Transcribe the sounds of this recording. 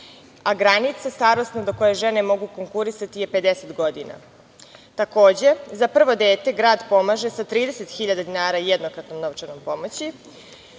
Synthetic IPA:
aɡɾanit̪sast̪aɾo̞st̪nad̪oko̞jeʒene̞mo̞ɡuko̞ŋkuɾisat̪ijepe̞d̪eset̪ɡo̞d̪ina̰ | t̪ako̞ːd͡ʑe̞zapr̩ʋo̞d̪e̞ːt̪e̞ɡɾaːd̪po̞maʒesat̪ɾiːd̪eset̪xiʎad̪ad̪inaːɾajed̪nokɾat̪no̞mno̞ʋt͡ʃano̞mpo̞mot͡ɕi

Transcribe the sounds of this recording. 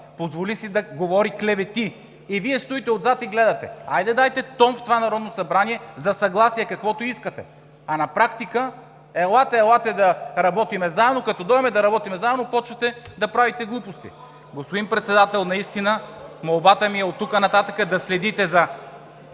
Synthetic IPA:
pozvolisid̪ɐɡovɔɾiklɛvɛt̪iː | viɛst̪uit̪ɛod̪zat̪iɡlɛd̪ɐt̪ɛ̰ajd̪ɛd̪ajt̪ɛt̪ɔmft̪ovanɐɾɔd̪nosɐbɾaniɛzɐsɐɡlˠasijɛkɐkvɔt̪oiskət̪ɛ̰ | ɐnɐpɾakt̪ikə | ɛlˠat̪ɛɛlˠat̪ɛd̪ɐɾɐbɔt̪imɛzaɛd̪nokɐt̪ɔd̪ɔɛmɛd̪ɐɾɐbɔt̪imɛzaɛd̪nopɔt͡ʃvɐt̪ɛd̪ɐpɾavit̪ɛɡlˠupost̪ḭ | ɡospod̪inpɾɛt̪sɛd̪at̪ɛlˠnɐist̪inəmɐlˠbat̪əmiɛot̪ːukənɐt̪at̪əkəd̪ɐslɛd̪it̪ɛzɐ

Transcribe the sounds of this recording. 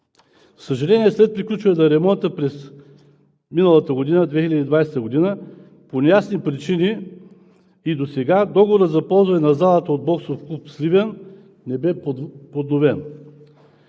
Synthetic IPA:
səʒɐlɛnʲiɛslɛt̪̚pɾiklʲut͡ʃvəɛd̪ɐɾɛmɔnt̪əpɾɛs | minəlˠət̪əɡod̪inəd̪vɛxilʲɐd̪id̪vajsɛt̪əɡod̪inə | ponɛjasnipɾit͡ʃini | id̪osɛɡad̪ɔɡovoɾət̪zɐpɔlˠzvɐnɛnɐzalˠət̪əod̪̚bɔksofklˠupslivɛn | nɛbɛpod̪novɛn

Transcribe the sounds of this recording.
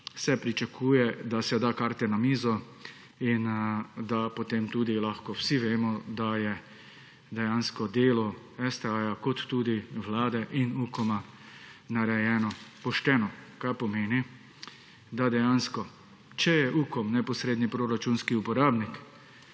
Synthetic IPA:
sɛpɾit͡ʃakʰuːjɛd̪asɛd̪akaːɾt̪ɛnamiːzɔ | ind̪apot̪emt̪uːd̪ilaxkɔwsiʋeːmɔd̪ajɛ | d̪ɛjanskɔd̪eːlɔ | ɛst̪ɛajakɔt̪ːuːd̪iwʋlaːd̪ɛʔinukɔma | naɾɛjɛːnɔpɔʃt̪ɛnɔkaɾpɔmeːni | d̪ad̪ɛjanskɔ | t͡ʃɛjɛʔuːkɔmnɛpɔsɾeːd̪nipɾoɾat͡ʃunskiupɔɾaːbnik

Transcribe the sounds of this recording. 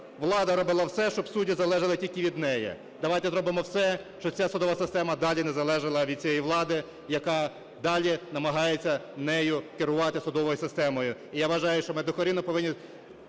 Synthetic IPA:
ʋlˠɑd̪ɐɾɔbɪlˠɐwsɛʃt͡ʃɔbsudʲizɐlˠɛʒɐlˠɪtʲilʲkɪʋʲid̪nɛjɛ̰ | d̪ɐʋɑjt̪ɛzɾɔbɪmɔwsɛʃt͡ʃɔt͡sʲasʊd̪ɔʋɐsɪst̪ɛmɐd̪ɑlʲinɛzɐlˠɛʒɪlˠɐʋʲid̪̥̚ʲt͡sʲijɛjʋlˠɑd̪ɪ | jɐkɑ | d̪ɑlʲinɐmɐɦɑjet͡sʲːɐnɛjʊkɪɾʊʋɑt̪ɪsʊd̪ɔʋɔjʊsɪst̪ɛmɔjʊijaʋɐʒɑjʊʃt͡ʃɔmed̪ʊkɔɾʲinɔpɔʋɪnʲːi

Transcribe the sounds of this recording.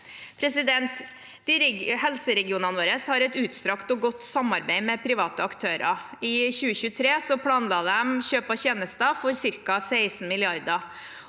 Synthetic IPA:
pʰɾɛsɪd̪ɛnt̪ | d̪̥ɪɾhɛlsəɾɛɡɪuːnɑnʋoːɾəshɑɾɛt̪ʉːt̪st̪ɾɑkt̪ɔɡɔt̪ːsɑmɑɾbæɪmɛpʰɾɪʋɑːt̪əɑkt̪ʰøːɾɑ̰ɪçʉːəçʉːt̪ʰɾeːsɔpʰɽɑːnlɑːd̪ɛmçøːpɑçeːnəst̪ɑfɔɾsɪɾkɑsæɪsn̩mɪlɪɑɾd̪ɑ

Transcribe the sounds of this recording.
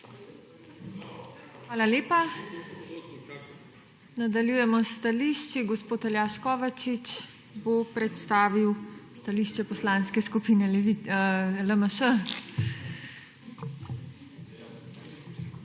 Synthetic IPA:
xʋaːlaleːpa | nad̪aljujɛmɔst̪aliʃt͡ʃiɡɔspoːt̪aljaʃkɔːʋat͡ʃit͡ʃ | bopɾɛt̪st̪aːʋiwst̪aliʃt͡ʃɛpɔslaːnskɛskupinɛ | ləməʃə

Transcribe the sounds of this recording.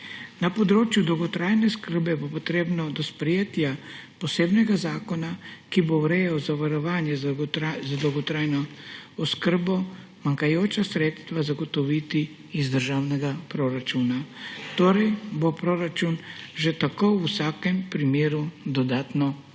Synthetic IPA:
napɔd̪ɾoːt͡ʃjud̪ɔwɡɔt̪ɾaːjnɛskəɾbɛbopɔt̪ɾeːbnɔd̪ɔspɾɛjeːt̪japɔseːbnɛɡazaːkɔnakibowɾɛjazaʋaɾɔʋaːnjɛzad̪ɔwɡɔt̪ɾaːjnɔɔskəɾbɔ | maŋkajoːt͡ʃasɾeːt̪st̪ʋazaɡɔt̪ɔʋit̪iː | zd̪əɾʒaːwnɛɡapɾoɾat͡ʃuːnat̪oːɾɛjbopɾoɾat͡ʃunʒɛt̪akousaːkɛmpɾimeːɾud̪ɔd̪aːt̪nɔ

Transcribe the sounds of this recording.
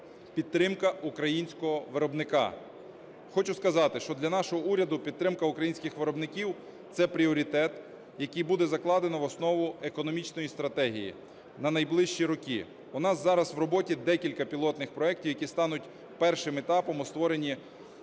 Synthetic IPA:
pʲid̪t̪ːɾɪmkɐukɾɐjinʲsʲkɔɦɔʋɪɾɔbnɪkɑ̰ | xɔt͡ʃʊskɐzɑt̪ɪʃt͡ʃɔd̪lʲɐnɑʃɔɦɔuɾʲɐd̪ʊpʲid̪̚t̪ɾɪmkɐukɾɐjinʲsʲkɪxʋɪɾɔbnɪkʲiw | t̪sɛpɾʲiɔɾʲit̪ɛt̪ | jɐkʲijbud̪ɛzɐklˠɑd̪enɔʋɔsnɔʋʊekɔnɔmʲit͡ʃnɔjist̪ɾɐt̪ɛɦʲḭjḭ | nɐnɐjblˠɪʃt͡ʃiɾɔkʲi | ʊnɑzzɑɾɐsʋɾɔbɔtʲid̪ɛkʲilʲkɐpʲilˠɔt̪nɪxpɾɔɛk̚tʲiwjɐkʲist̪ɑnʊtʲ | pɛrʃɪmet̪ɑpɔmɔst̪ʋɔɾenʲi

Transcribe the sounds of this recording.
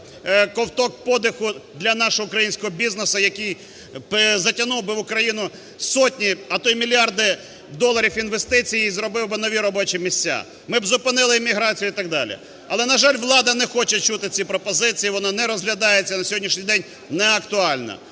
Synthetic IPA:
kɔwt̪ɔk̚pɔd̪ɪxʊd̪lʲɐnɑʃɔɦɔʊkɾɐjinʲsʲkɔɦɔbʲiznesɐjɐkij | pzɐtʲɐnuwbɪʋʊkɾɐjinʊ | sɔtʲnʲiɐt̪ɔjmʲilʲjɑrd̪ɪ | d̪ɔlˠːɐɾʲifinʋest̪ɪt͡sʲijizɾɔbɪwbɪnɔʋʲiɾɔbɔt͡ʃimʲisʲtʲːa̰ | mɪbzʊpɪnɪlˠɪːmʲiɦɾɑt͡sʲijʊit̪ɑɡ̚d̪ɑlʲḭ | ɐlˠɛnɐʒɑlʲʋlˠɑd̪ɐnɛxɔt͡ʃɛt͡ʃut̪ɪt͡sʲipɾɔpɔzɪt͡sʲijiʋɔnɑnɛɾɔzɦlʲɐd̪ɑjet͡sʲːɐnɐsʲɔɦɔdʲnʲiʃnʲijd̪ɛnʲ | nɛɐkt̪ʊɑlʲnɐ̰

